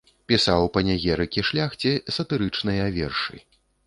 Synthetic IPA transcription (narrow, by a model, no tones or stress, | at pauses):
pʲisawpɐnʲaɣʲɛɾɨkʲiʂlʲaxt͡sʲɛsɐt̪ɨɾɨt͡ʂnɐjavʲɛ̰rʂɨ̰